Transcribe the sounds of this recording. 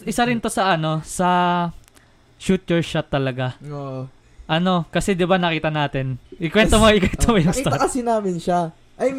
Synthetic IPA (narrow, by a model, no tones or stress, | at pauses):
ʔɪsaɾɪnt̪o̞sɐʔɐno̞sɐ | ʃuːt̪ɛɹʃat̪ːɐlɐɡao | ʔɐno̞kɐsɛd̪ɪbanɐkiːt̪ɐnaːt̪ɪnʔɪkwɛnt̪omoɪkwɛnt̪omɐjʊŋt̪akɐsɪnaːmɪnʃa | ʔɐj